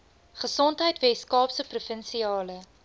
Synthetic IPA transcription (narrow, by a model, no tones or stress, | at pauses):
χəsɔntɦəjtvɛskɑːpsəprufənsiɑːlə